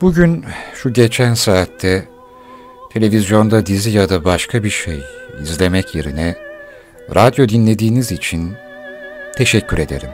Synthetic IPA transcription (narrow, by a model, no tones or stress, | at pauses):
b̥uɟynʃuɟe̞t͡ʃʰænsaːt̪ʰːɛ | t̪ʰe̞lʲe̞vizjo̞nd̪ad̪izijad̪abaʃkʰabiɾʃejizlʲe̞mɛcje̞ɾinɛ | ɾʔad̪jo̞d̪inlʲe̞d̪iːnizit͡ʃʰin | t̪ʰe̞ʃɛcʰːyɾe̞d̪e̞̰ɾim